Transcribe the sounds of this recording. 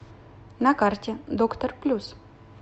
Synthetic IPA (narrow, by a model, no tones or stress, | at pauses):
nakart̪ʲed̪okt̪ərplʲus